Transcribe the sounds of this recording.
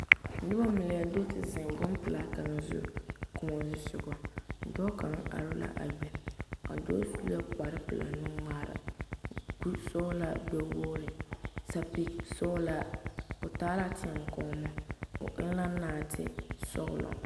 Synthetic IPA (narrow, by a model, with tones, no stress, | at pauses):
nʊ˦ba˦mɪ˨lɪ˨ja˨do˦tɪ˨zɪ˨ŋ˨bʊ˦n˦pɨ˨la˨ka˨n˨zʊ̰˦kʊ˨mɔ˨zʊ˦sʊ˨ɡɔ˨˦˨dɔ˦ka˨ŋ˦a̰˨ɾʊ˦la̰˦ʔa̰˨bɛ˨a̰˨dɔː˦su˦lu˦a˦k͡pa˨ɾɪ˦pɨ˨la̰˨nu˦ma˦ɾa̰˨ | ɡu˦sɔ˦la˦ɡ͡bɛ˦wo˦lɪ˨sa˨pi˦sɔ˦la˦o˨taː˦la˦tʰɪ˦ɛ˨ŋ˨kɔ˦mɛ˦o̰˨ʔɪ˦lla˦naː˦˨tʰɪ̰˦sɔ̰˦ɣʊ̰˨lɔ̰˨